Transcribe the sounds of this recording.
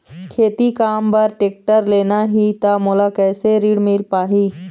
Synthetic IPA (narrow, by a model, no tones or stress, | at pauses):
kʰeːt̪ikaːmbəɾʈeːk̚ʈəɾleːnaɦit̪amuːlakɛːseɾiːɽmɪlpaːɦiː